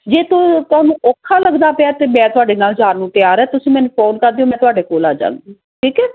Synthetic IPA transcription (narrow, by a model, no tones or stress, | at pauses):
d͡ʒeːt̪oːt̪ʊaːnũːɔːkʰːaːləɡd̪aːpɪaːt̪eːmɛ̃ːt̪ʊaːɖeːnaːlzaːɾnũːt̪ɪjaːɾɛːt̪ʊsĩːmɛ̃ːnũːpʰoːnkəɾd̪iːõːmɛ̃ːt̪ʊaːɖeːkoːla̰ːd͡ʒã̰ːŋd̪iː | ʈʰiːkɛː